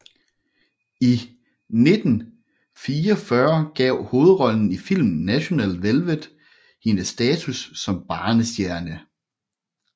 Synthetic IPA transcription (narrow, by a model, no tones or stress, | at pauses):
i | ne̝d̥n̩ | fiːɒfɶɐɡ̥ɛʊ̰ho̝ːð̞̩ˠʁɒ̽ln̩ifil̰mnnæɕo̝nɛ̰ːl̰d̥ʋelʋəd̥ˠ | hinəsːd̥ɛːt͡sʰusːɒ̽mb̥ɑ̈ːnəsd̥jæɐnə